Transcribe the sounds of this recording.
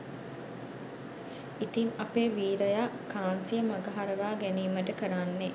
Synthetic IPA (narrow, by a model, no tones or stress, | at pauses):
it̪iŋapeːʋiːɾəjakːaːnsijəmaɡəɦaɾəʋaːɡæniːməʈəkəɾanːe